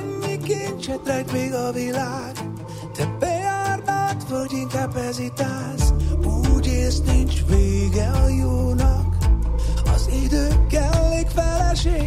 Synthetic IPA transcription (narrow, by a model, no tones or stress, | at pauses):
ɲːikeːnt͡ʃɛt̪ɾɛkmeːɡɒvilaːɡ̥ | t̪ɛbɛjaːrnat̪vølɟiŋkaːbpɛzit̪aːzuːɟeːst̪nint͡ʃveːɡɛɒjoːnɒk | ɒzid̪øːkːɛlːeːkfɛlɛʃeː